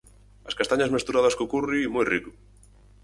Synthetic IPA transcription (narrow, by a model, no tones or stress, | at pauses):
askast̪aɲazmest̪uɾaðaskokurimujriku̥